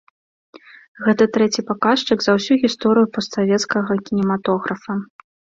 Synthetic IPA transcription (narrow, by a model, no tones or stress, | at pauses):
ɣɛt̪ɐt̪ɾɛt͡sʲipakaʂt͡ʂɨɡzɐwsʲuɣʲist̪ɔɾɨjupɔst̪savʲɛt̪skɐɣɐkʲinʲɛmat̪ɔɣɾɐfɐ